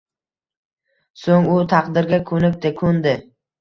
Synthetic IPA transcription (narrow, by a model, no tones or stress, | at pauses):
soŋʊt̪ʰɑqd̪ɪɾɡʲakʰɵnɪk̚ʲt̪ɪkʰond̪ɪ